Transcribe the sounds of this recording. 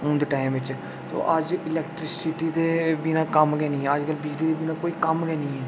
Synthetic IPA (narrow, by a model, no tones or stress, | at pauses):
õːnd̪eːʈaːɪmʋɪt͡ʃ | t̪o̰ːʔəd͡ʒɪlɛːkʈɾɪksɪʈiːd̪eːbinãːkəmɡɛːnĩːɦɛːəd͡ʒkəlbɪd͡ʒliːd̪eːbiːnãːkoːiːkəmɡɛːnĩːɛː